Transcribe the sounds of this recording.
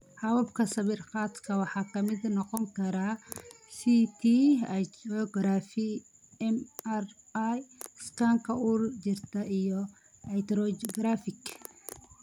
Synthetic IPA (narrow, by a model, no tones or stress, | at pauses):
hɐwɐbkʰɐsɐβɪrqɑːt̪kʰɐwɑħɑːkʰɐmɪd̪nɔqɔŋkʰɐɾa | sit̪ʰiɛjt̪ɾɔɡɾaːfɪ | ɛmɛr | jskʰaːŋkʰɐurt͡ʃɪrt̪ʰɐijɔ | ɐjt̪ɾɔɡɾafɪk